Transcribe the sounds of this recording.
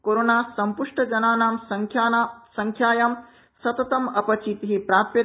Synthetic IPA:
koɾoːnaːsɐmpuʂʈɐd͡ʒɐnaːnaːmsɐŋkʰaːsɐŋkʰjaːjaːm | sɐt̪ɐt̪ɐmɐpɐt͡ʃiːt̪iɦipɾaːt̪jɐ

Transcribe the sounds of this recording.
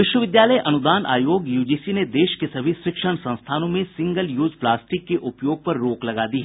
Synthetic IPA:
ʋɪʃwəʋɪd̪jaːləjʔɐnʊd̪aːnʔa̰ːjoːɡjuːd͡ʒiːsined̪eːʃkesɐbʱisɾɪkʃəɽ̃sɐ̃ñst̪ʰaːnõmẽsɪ̃ŋɡəljuːzplaːsʈɪkːeʔʊpjoːɡ̚pɐɾːoːklɐɡaːd̪iɦɛ

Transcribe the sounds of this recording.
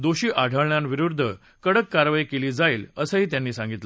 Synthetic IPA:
d̪oɕiːʔaɽʱəɭɳjãnʋiɾuɾd̪ʱə | kəɽəkːaɾʋajkeliːd͡zaiːləsəːɦiːt̪jãnːiːsãŋɡit̪lə

